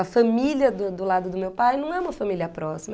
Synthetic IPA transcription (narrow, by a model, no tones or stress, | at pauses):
ɐfɐ̃milʲiɐd̪ʊd̪ʊlad̪ʊd̪ʊmewpajnɐ̃w̃ɛũmɐfamiliɐpɾɔsimɐ